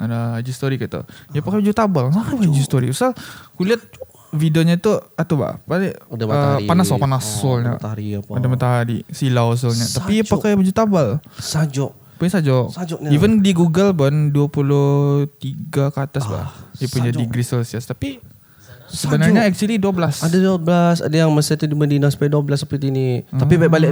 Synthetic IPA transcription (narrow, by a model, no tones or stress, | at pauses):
adaad͡ʒust̪oɾikat̪ṵjapakajbad͡ʒut̪abalaad͡ʒust̪oɾḭusakuliat̪̚ | fidioɲat̪uat̪uba̰ʔpalɛdəpanasɔpanasɔlɲa̰ɾiadamat̪aɦaɾḭsilaos̬ɔlɲat̪appiapakajbad͡ʒut̪abalad͡ʒ | pajsad͡ʒɔk̚ad͡ʒɔʔivəndiɡuɡəlpʊnduapulʊht̪iɡakat̪asba̰japuɲd͡ʒadiɡɾisɛlsiəst̪api | səbənarɲaɛk̚t͡ʃuəliduabəlasadaduabəlasa̰dajaŋməsat̪udimədinaŋsu̥pajaduablasəpɾt̪init̪apibaiʔbalɪʔ